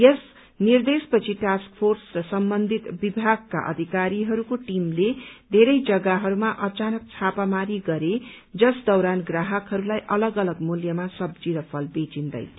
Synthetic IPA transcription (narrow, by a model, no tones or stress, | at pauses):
jʌs | nird̪espʌt͡sʰiʈask̚pʰorsrʌsʌmbʌnd̪ʱit̪bibʱaɡ̚ka̰ʔʌ̰d̪ʱikaɾiɦʌɾukoʈimled̪ʱeɾʌjd͡zʌɡaɦʌɾumaʔʌt͡sanʌk̚t͡sʰapamaɾiɡʌɾe | d͡zʌsd̪ʌwɾanɡraɦʌkɦʌɾulajʔʌlʌɡʌlʌɡmuljʌmasʌb̚d͡ziɾʌpʰʌlbet͡sind̪ʌ̰j